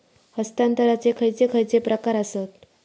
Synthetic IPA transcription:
həst̪ant̪əɾat͡sekʰəjt͡sekʰəjt͡sepɾʔəkaɾəsət̪̚

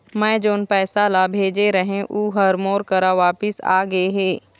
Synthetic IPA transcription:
mɛ̃ːd͡ʒoːnpɛːsalabʱeːd͡ʒeɾɐɦẽʔuːɦɐɾmoːɾkɐɾaʋaːpɪsa̰ːɡɐeɦeː

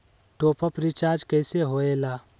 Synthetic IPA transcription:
ʈoːpʰapɾit͡ʃaːɾd͡ʒkəjseɦoeːlaː

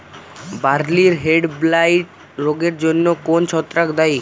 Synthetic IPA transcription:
baɾliɾɦeɖblajʈ | ɾoɡeɾd͡ʑonːokont͡ɕʰɔt̪ːɾakd̪aj

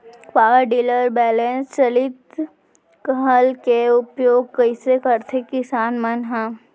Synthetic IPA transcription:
kʋaːɾɖiːləɾbɛːlẽːnst͡ʃɐlɪt̪ | kəɦəlkeʊpjoːɡ̚kɐisekəɾt̪ʰekɪsaːnmɐnɦã

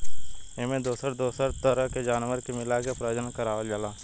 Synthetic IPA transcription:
emẽd̪oːsəɾd̪oːsəɾt̪əɾəɦked͡ʒaːnʋəɾkemɪlakepɾəd͡ʒənkəɾaːʋəld͡ʒalaː

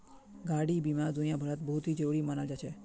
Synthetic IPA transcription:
ɡaɽibimaɾd̪unijabʱəɾat̪bəɦut̪ʰid͡ʒəɾuɾimənaʋd͡ʒat͡ʃʰe

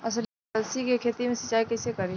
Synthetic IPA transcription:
ɐs̬l | ɐlsikekʰeːt̪imẽsɐt͡ʃːaːikɛsekɐɾi

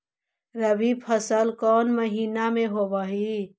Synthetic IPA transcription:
ɾəbipʰəsəlkɔːnməɦiːnamẽɦoːbaːɦi

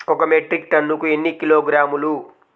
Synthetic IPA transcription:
ɔkɐmeʈɾik̚ʈɐnːukue̞nːikiloːɡɾaːmulu

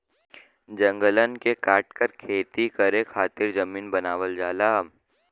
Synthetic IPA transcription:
d͡ʒɐ̃ŋɡələnkekaːʈkəɾkʰeːt̪ikɐɾẽkʰaːt̪ɪɾzɐmiːnbɐnaːʋəld͡ʒaːlaː

